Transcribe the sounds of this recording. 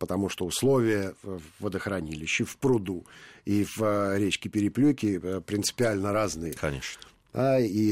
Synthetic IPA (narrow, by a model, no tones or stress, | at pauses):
pət̪ɐmuʂt̪oʊslˠo̞vʲɪjəːəd̪əxɾɐnʲilʲɪɕːɪfpɾʊd̪uivəɾʲet͡ɕkʲɪpʲɪɾʲɪplʲukʲɪpɾʲɪnsɨ̥pʲɪalʲnəɾaznɨjəɐeʂ | ai